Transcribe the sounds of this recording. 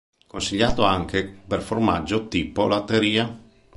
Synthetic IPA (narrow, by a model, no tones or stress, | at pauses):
konsiʎːaːt̪oaŋkʰeperforma̰d͡ʒːot̪iːpolat̪ːeɾiːa